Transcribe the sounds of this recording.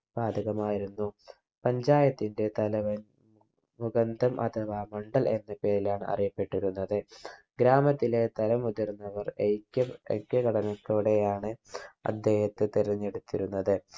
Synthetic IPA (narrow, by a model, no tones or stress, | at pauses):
baːd̪ʱɐɣɐmaːjiɾunːu | pɐɲd͡ʑaːjɐt̪ːinde̞t̪ɐlɐʋɐ | muɡɐnd̪ɐmʔɐ̰t̪ʰɐʋaːmɐɳɖɐle̞̰nːɐpe̞ːɾilaːɳɨɐ̰rijɐpːe̞ʈːiɾunːɐðɨɡɾaːmɐt̪ːile̞t̪ɐlɐmuðirnːɐʋɐrekːɐḛkːɐkɐɽɐnɐkːoɽejaːɳɨɐ̰d̪ʱːe̞ːhɐt̪ːɨt̪iɾɐɲːeɽut̪ːiɾunːɐðɨ